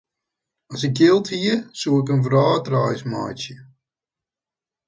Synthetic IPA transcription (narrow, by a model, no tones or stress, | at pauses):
ɑsɪk̚jɪlˠtɦiəsuːɪkənvrɑːtrajsma̰jsjə